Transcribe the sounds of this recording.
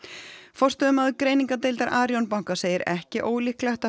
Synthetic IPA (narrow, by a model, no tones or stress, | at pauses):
fɔr̥st̪œðʏmaðkɾeːjniŋkat̪̬ejlt̪aɾʔaːɾjownpawŋkaseːjɪɾɛhcɪʔoːwlihklɛht̪a